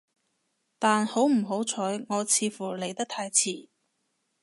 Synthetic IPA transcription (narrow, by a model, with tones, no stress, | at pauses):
t̪aː˨nho˨˥wm̩˨˩ɦo˨˥wt͡sʰɔː˨˥jŋɔː˨˧t͡sʰiː˨˧fuː˨˩le˨˩jt̪ɐ˥k̚t̪ʰaː˧jt͡sʰiː˨˩